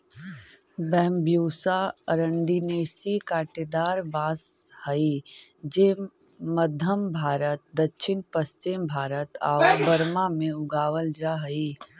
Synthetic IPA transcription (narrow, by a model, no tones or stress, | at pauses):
bɛːmbʱjoːsaəɾəɳɖineːsikaːʈed̪aːɾbaːshəid͡ʒeː | məd̪ʱəmbʱaːɾət̪̚d̪ətːʃʰɪnpəst͡ʃɪmbʱaːɾət̪aːbəɾmamẽʊɡaːʋəld͡ʒaɦəi